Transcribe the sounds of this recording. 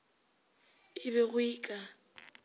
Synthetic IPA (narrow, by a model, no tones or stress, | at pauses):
ɪbɛɣʊiːkʼa